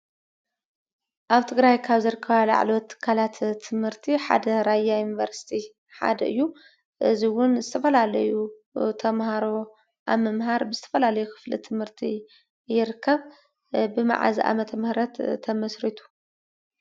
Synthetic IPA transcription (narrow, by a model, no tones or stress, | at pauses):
ʔaβt̪ʰɨɡɾajkʰaβzɨɾɨkʰːɐβala̰ʕlot̪ʰːɨ̥kʰːalat̪t̪ʰːɨmhɨɾt̪ʰiħa̰d̪ɐɾajajunivɐɾsi̥t̪ʰi | ħa̰d̪ɐʔɨ̰jːu | ʔɨziwʊnzɨt̪ʰɐfɐlalɐju | t̪ʰɐmhaɾo̞ | ʔa̰βmɐmɦaɾbɨzɨt̪ʰɐ̥fɐlalɐjukʰɨ̥flḭt̪ʰɨmhɨɾt̪ʰi | jɪɾɨkʰːɐβ | bɨma̰ʕa̰ziʔa̰mɐt̪ʰɐmhɾɐt̪ʰːɐmɐsɾit̪ʰu̥